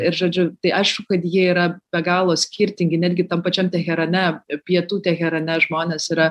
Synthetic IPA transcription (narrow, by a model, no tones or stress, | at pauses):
ɪɾʒoːd͡ʒʲʊt̪ɐɪʔɐɪʃkʊkɐt̪jiɛiːɾɐb̥ʲɛɡɑːlˠoːsʲkʲiɾʲt̪ʲɪŋʲɡʲɪnʲæːd̪ʲɡʲɪt̪ɐmpɐt͡ʃʲɛmt̪ʲɛxʲɛɾɐnʲɛpʲiɛt̪uːt̪ʲɛxʲɛɾɐnʲɛʒmoːnʲeːsiːɾɐ